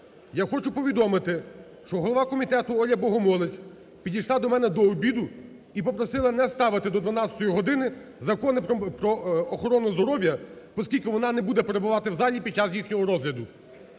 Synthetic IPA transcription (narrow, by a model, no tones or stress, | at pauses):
jaxɔt͡ʃʊpɔʋʲid̪ɔmɪt̪ɪ | ʃt͡ʃɔɦɔlˠɔʋɑkɔmʲit̪ɛt̪ʊɔlʲjɐbɔɦɔmɔlˠɪt͡sʲ | pʲidʲijʃlˠɑd̪ɔmɛnɛd̪ɔːbʲid̪ʊ | ipɔpɾɔsɪlˠɐnɛst̪ɑʋɪt̪ɪd̪ɔd̪ʋɐnɑt͡sʲɐ̥t̪ɔjiɦɔd̪ɪnɪzɐkɔnɪppɾɔːxɔɾɔnʊzd̪ɔɾɔʋʲjɐpɔskʲilʲkɪʋɔnɑnɛbud̪ɛpeɾebʊʋɑt̪ɪwzɑlʲipʲid̪̚t͡ʃasjixnʲɔɦɔɾɔzɦlʲɐd̪ʊ